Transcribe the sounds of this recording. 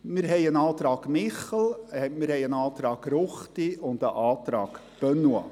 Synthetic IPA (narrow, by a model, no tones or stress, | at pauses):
mɪɾɦɛɪənɑːt̪ɾɑːɡmɪχəl̩ɛmɪɾhɛɪjənɑːt̪ɾɑːɡɾʊχtiʊndəʔɑːt̪ɾɑ̰ːɡ̥ | b̥œnwɑ̰